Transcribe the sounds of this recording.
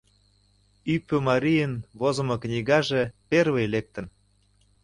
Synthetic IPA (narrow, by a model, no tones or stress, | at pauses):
ypːømɑɾʲijənβozŏmŏknʲiɣɑʒeperβejlek̚t̪ə̆n